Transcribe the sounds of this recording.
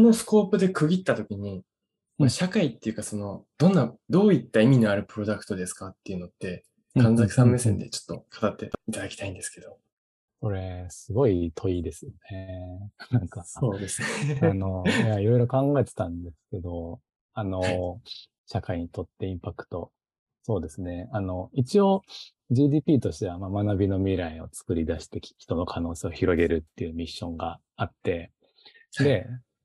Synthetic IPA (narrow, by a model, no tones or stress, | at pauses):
no̞sɨ̥ko̞ːpɯ̟d̪e̞kɯ̟ɡʲit̪ːat̪o̞kʲiɲ̟i | aɕakait̪ːe̞jɯ̟kaso̞no̞d̪̥õ̞nːad̪o̞ːit̪ːaimʲinoaɾɯ̟pɯ̟ɾo̞d̪akɯ̟̥t̪o̞d̪e̞sɨ̥kat̪ːe̞iɯ̟no̞t̪ːe̞ | kʰãnd͡zakɯ̟sãmːe̞sẽ̞nd̪e̞̰t͡ɕo̥t̪ːo̞̰kʰḁt̪at̪ːe̞it̪ad̪akʲi̥t̪aĩnd̪e̞sɨ̥ke̞d̥̪o̞ | ko̞ɾe̞sɨɡo̞it̪ʰo̞id̪e̞sɨnenãŋkaoːd̪e̞sɨnenojaaiɾo̞iɾo̞kãŋɡae̞t̪e̞̥t̪ãnd̪esɨ̥ke̞d̪o̞ | ano̞ | ɕakaiɲ̟it̪o̞t̪ːe̞ĩmpakɯ̟̥t̪o̞ | so̞ːd̪e̞sɨne̞ano̞it͡ɕio̞ | d͡ʑiːd̪iːpʲiːt̪o̞ɕi̥t̪e̞βamamanabʲino̞mʲiɾaio̞t͡sɨ̥kɯ̟ɾʲid̪aɕi̥t̪e̞kʲçʲi̥t̪o̞no̞kʰano̞ːse̞ːo̞çiɾo̞ɡe̞ɾɯ̟t̪ːe̞ɯ̟ːmʲiɕːõ̞ŋɡa | at̪ːe̞ | d̪e̞